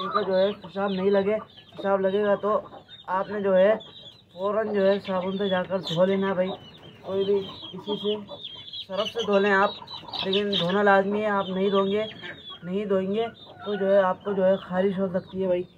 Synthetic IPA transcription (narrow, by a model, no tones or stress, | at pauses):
kod͡ʒoːɦɛɦɪsaːbnɐɦĩlɐɡeɦɪsaːblɐɡeːɡat̪oaːpnẽd͡ʒoːɦɛ | foːɾənd͡ʒoːɦɛsaːbõnsed͡ʒaːkəɾd̪ʱoːlẽnabʱai | koːibʱikɪsisesɐɾəfsed̪ʱoːlẽaːp̚leːkɪnd̪ʱoːnalaːzmiɦɛaːpnɐɦĩd̪ʱõːẽːŋɡenɐɦĩd̪ʱoːẽːŋɡe | t̪od͡ʒoːɦɛaːp̚kod͡ʒoːɦɛxaːɾɪʃɦoːdsɐkt̪iɦɛbʱaiː